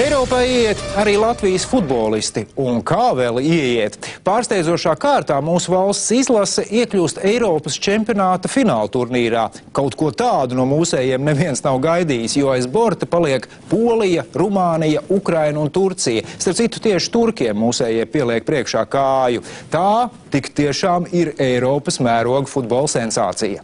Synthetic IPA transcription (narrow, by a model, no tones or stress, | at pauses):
ejɾɔːpaːiɛjiɛt̪aɾiːlˠat̪vijəsfud̪̚bɔːlˠist̪iunkaːvɛlˠiɛiɛt̪paːɾst̪ɛjdzuɔʃaːkaːɾt̪aːmuːsuvalˠst̪sizlˠasɛʔiɛklʲuːst̪ɛjɾɔːpɐst͡ʃempʲijonaːt̪ɐfinaːlˠt̪uɾniːɾa̰ːkawt̪kuɔt̪aːd̪unuɔmuːsɛːjɛɛmnɛviɛnsnawɡajd̪iːjɪsjuɔajzbɔɾt̪ɐpalˠiɛk | puɔlˠijɐɾumaːnijɐukɾajnunt̪uɾt̪sijɐsaɾp̚tsit̪ːu̥t̪iɛʃi̥t̪uɾkʲiɛmːuːsɛːjɛjpiɛlˠiɛk̚pɾiɛkʃaːkaːjut̪aːt̪ikt̪iɛʃaːmiɾɛjɾɔːpɐsmæːɾuɔɡufud̪̚bɔlˠsɛnsa̰ːt̪sḭjɐ